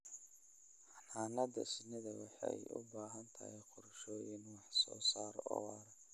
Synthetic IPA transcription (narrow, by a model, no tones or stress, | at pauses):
ħɑnaːnɐd̪ɐ̰sɪnɪðɐwɑħɑ̰jʊ̰baːɦɐnt̪ʰɐhɛqʰʊrʃɔːjɪnwɑħsɔ̰ːsaːɾɔ̰wɑɾ